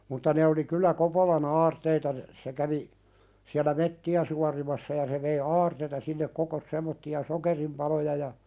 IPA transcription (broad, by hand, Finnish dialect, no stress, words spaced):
mutːɑ ne oli kylːæ kopolɑh ɑːrteitɑ n se kæʋi siælæ metːiæ suɑrimɑsːɑ jɑ se ʋei ɑːrteitɑ sinːek kokos semˑotːiɑ sokerimpɑlojɑ jɑ